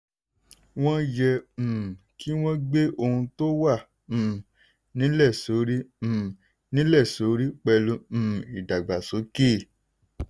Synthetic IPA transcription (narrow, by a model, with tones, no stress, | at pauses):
w̃ɔ̃˦jɛ˧m̩̃˨ki˦w̃ɔ̃˦ɡ͡be˦ʔo˧hũ˧to˦wã˦˨ | nĩ˦lɛ˦˨so˨˦ɾĩ˦˨ | nĩ˦lɛ˦˨so˨˦ɾi˦k͡pɛ˧lũ˧˦˨i˨da˨ɡ͡ba˨so˨˦ke˦˨